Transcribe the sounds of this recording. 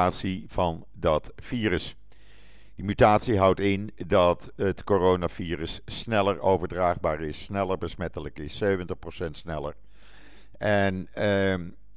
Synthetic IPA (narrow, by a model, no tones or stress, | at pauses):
aːtsiv̥ɑn | dɑtfiːrəs | d̥imytaːtsiɦʌwtɪndɑt | ətkorownav̥iːrəsːnɛləɹowvəɹdraːχbaːɹɪsnɛləɹbəsmɛtələkɪsːøɥvəntəχprosɛntsnɛlə̰ɹ | ɛn